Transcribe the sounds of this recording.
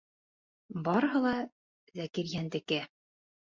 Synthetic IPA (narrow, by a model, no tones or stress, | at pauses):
bɑɾɤ̆ɦɤ̆lˠɑ | zækiɾjænd̪ɘ̆kɘ